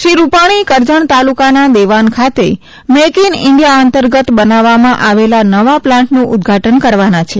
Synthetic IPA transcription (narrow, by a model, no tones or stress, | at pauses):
ʃɾiɾupaɽ̃ikəɾd͡ʒəɳt̪alukanad̪eʋankʰat̪e | mekinɪɳɖijaənt̪əɾɡət̪bənaʋamãʔaʋelanəʋaplãɳʈnũʔʊd̪ɡʱaʈənkəɾʋanat͡ʃʰe